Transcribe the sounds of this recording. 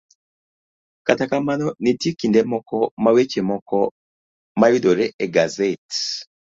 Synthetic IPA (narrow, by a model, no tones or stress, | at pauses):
katakamanɔnitikindɛmɔkɔmawet͡ʃemɔkɔ | majudoɾɛʔeɡazet